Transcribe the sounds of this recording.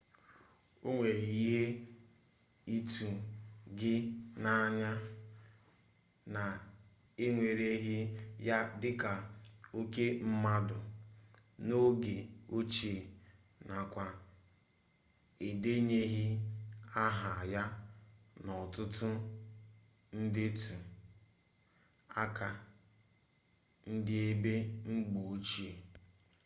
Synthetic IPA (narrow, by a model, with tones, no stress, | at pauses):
o˦ŋʷe˨ɾi˨i˦ɦe˦ | i˦tu˨ɡɪ˦na˦ɲa˦ | na˨ | e˦ŋʷe˨ɾe˦ɦi˦ja˦dɪ˦ka˨o˦ke˦m̩˦ma˦dʊ˨ | no˦ɡe˨o˦t͡ʃe˨ | na˨kʷa˨ | e˨de˦ɲe˦ɦi˦a˦ɦa˨ja˦ | nɔ˨tʊ˦tʊ˦ | n̩˦dɪ˦tʰu˨ | a˦ka˨ | n̩˦dɪ˦e˦be˦ŋ͡m̩˦ɡ͡bu˨o˦t͡ʃi˦e˨